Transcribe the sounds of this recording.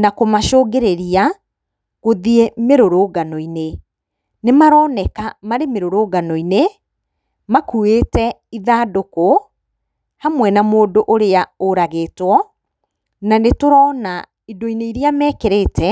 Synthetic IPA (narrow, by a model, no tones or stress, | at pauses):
nakomaʃoːɡeɾeɾia | ɣoðiemeɾoɾoɡanɔine | nemaɾɔːnɛkamaɾemeɾoɾoɡanɔine | makuetɛiðaːdoko | hamwɛnamoːdoʔoɾeaoɾaɣeːtwɔ | nanetoɾɔːna | idoineiɾiamɛːkeɾetɛ